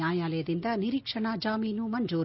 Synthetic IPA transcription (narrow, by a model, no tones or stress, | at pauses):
aːjaːlɐjɐd̪ind̪ɐniɾiːkʂɐɳad͡ʒaːmiːnumɐɲd͡ʒuː